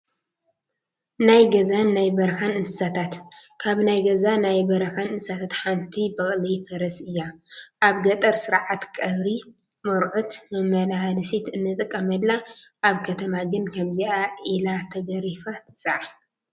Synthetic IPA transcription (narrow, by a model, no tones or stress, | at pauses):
najɡɐzanːajbɐɾkanɨsɨsat̪ʰat̪kʰaβnajɡɐzanajbɐɾɐkanɨnsat̪ʰat̪ħant̪ʰibɐχʼlifɐɾɐsɨjːaʔaβɡɐt̪ʼɐɾsɨɾʕat̪kʼɐβɾi | mɐɾʕut̪mɨmːɐlahalɨsit̪ɨnːɨt̪ʼɨkʼːɐmɐlːaʔaβkʰɐt̪ʰɐmaɡɨnkʰɐmziʔaʔilat̪ʰɐɡɐɾifat̪ʰɨsʼaʕa